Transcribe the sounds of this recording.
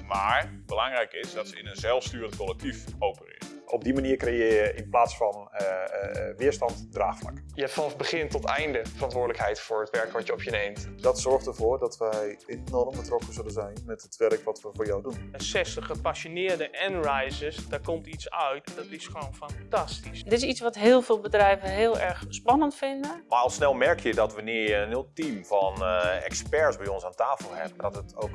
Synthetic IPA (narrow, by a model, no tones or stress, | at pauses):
maːɹbəlaŋrɛjkɪsdɔtsəɪnənzɛlˠfstyːrəntkolɛk̚tʰifowpərɪ̰sʔɔb̚dimaniərkrejɪjəʔɪnplaːsfɔn | ʋɪəstɑntdra̰ːxfla̰kjəɛfanɔfbəχɪntɔtɛjndəfərɑntʋʊːɹdələkhɛjtfʊːətʋɛɹkʋɔtjəɔpʰjənejmtdɔtsɔɹxtərvoːɹdɔtʋɛjɪnnɔrmbətrɔkəzɵlənzɛjnmɛtətʋɛrkʋɔtʋəvʊːɹjawdunəsɛstəχəpasjonɪːrdəʔɛnrajzəsdaːɹkɔmtitsœɥtdɔtɪsxəʋoːnfantastisdɪtɪsitsʋɔtɦɪːlˠvɪːlˠbədrɛjvəɦɪːlˠɛɹxspɑnəntfɪndəmaɑlˠsnɛlˠmɛɹkjədɔtʋənɪjəənɪlˠtimfɔnɛ̰kspɛɹsbɛjɔnsaːntaːfəlˠhɛ̰bəadɔtətowk